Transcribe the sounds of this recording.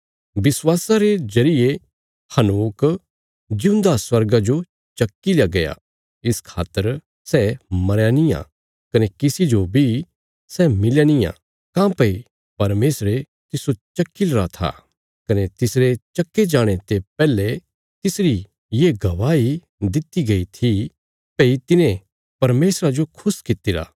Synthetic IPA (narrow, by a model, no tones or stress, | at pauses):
bɪswaːsaɾed͡ʒɐɾɪje | hɐnuːk | d͡ʒɪũnd̪aswɐɾɡad͡ʒo | t͡ʃɐkːiljaɡɐja̰ | ɪskʰa̰ːt̪ːəɾ | sɛmɐɾjanijã̰ | kɐnekɪsid͡ʒobʱi | sɛmɪljanijã̰ | kãːpɐi | pɐɾmeːsɾe | t̪ɪsot͡ʃɐkːilɾat̪ʰa̰ː | kɐnet̪ɪsɾet͡ʃɐkːed͡ʒaːɽ̃et̪epɛːle | t̪ɪsɾi | jeɡɐʋaːi | d̪ɪt̪iɡɐit̪ʰi | pɐit̪ɪnẽ | pɐɾmeːsɾad͡ʒokʰʊskɪt̪ɪɾa̰ː